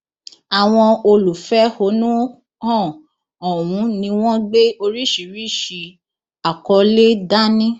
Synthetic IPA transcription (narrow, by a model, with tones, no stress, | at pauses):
a˨w̃ɔ̃˧o˧lu˨fɛ˦ho˨˦nũ˦ | hɔ̃˦˨ | ɔ˨wũ˨˦nĩ˧w̃ɔ̃˦ɡ͡be˦o˧ɾi˦ʃi˨ɾi˦˨ʃi˧ | a˨kɔ˧˦le˦da˦nĩ˦